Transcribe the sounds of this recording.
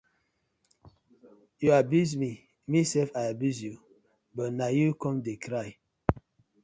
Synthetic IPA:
juabjusmi | misɛfajabjuzju | bɔtnajukɔ̃mdekɾaj

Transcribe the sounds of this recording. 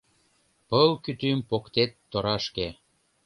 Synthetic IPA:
pəlkyt̪ympokt̪et̪ːoɾɑʃke

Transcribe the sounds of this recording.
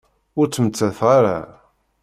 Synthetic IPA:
ʊɾt͡sːəmət͡sːæθʁaɾa

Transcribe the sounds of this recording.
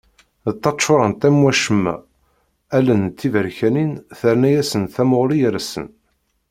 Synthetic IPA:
ðt̪ˤːɑtːʃːʊɾˤɑnt̪æmwæʃəmːæ̰ | ælənt̪ːivəɾçæninθəɾnæjæsənθæmoʁlijəɾæsə̰n

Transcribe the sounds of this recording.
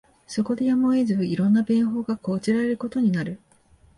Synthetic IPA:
so̞ko̞d̪e̞jamoezɨɯiɾõ̞nːabẽ̞ɰ̃ɦo̞ːɡako̞ːt͡ɕiɾaɾe̞ɾɯ̟ko̞t̪o̞ɲ̟inaɾɯ̟

